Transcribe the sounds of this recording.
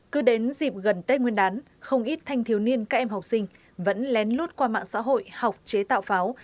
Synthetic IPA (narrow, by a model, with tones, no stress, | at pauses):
kɨ˨˦ɗe˨˦nzi˨˩p̚ɣə˨˩nt̪e˦˥ŋwi˧ənɗaː˨˦n | xə˧wŋ͡mʔi˦˥t̚t̪ʰa˧jŋ̟t̪ʰi˨˦əwni˧ənkaː˦˥k̚ʔɛ˧mɦa˨˩k͡p̚sï˧ŋ̟ | və̰˧˥nlɛ˨˦nlu˦˥t̚kwaː˧ma̰ː˧˨ŋsa̰ː˧˥ɦo̰˧˨jha˨˩wk͡p̚t͡ɕe˨˦t̪a̰ː˧˨wfaː˨˦w